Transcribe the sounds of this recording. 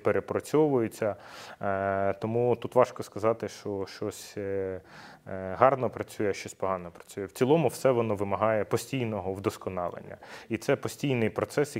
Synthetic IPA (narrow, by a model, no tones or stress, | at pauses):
peɾepɾɔt͡sʲɔʋʊjʊt͡sʲːɐ | t̪ɔmut̪ut̪ʋɑʃkɔskɐzɑt̪ɪʃt͡ʃɔʃt͡ʃɔsʲ | ɦɑrnɔpɾɐt͡sʲujɛʃt͡ʃɔsʲpɔɦɑnɔpɾɐ̥t͡sʲujɛwt͡sʲilˠɔmʊwsɛʋɔnɔʋɪmɐɦɑjɛpɔsʲtʲijnɔɦɔwd̪ɔskɔnɑlˠḛnʲːɐ̰it̪sɛpɔsʲtʲijnɪjpɾɔt̪sɛs